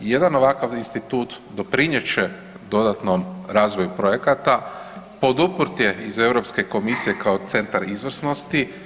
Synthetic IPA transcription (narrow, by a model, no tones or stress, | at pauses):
je̞d̪ano̞ʋakaʋinst̪it̪uːt̪ | d̪o̞pɾiɲjet͡ʃe | d̪o̞d̪at̪no̞mɾaːzʋo̞jupɾo̞je̞kat̪a | po̞d̪upɾt̪je̞ize̞ʋɾo̞pske̞ko̞misije̞kaot̪se̞nt̪aɾizʋr̩sno̞st̪i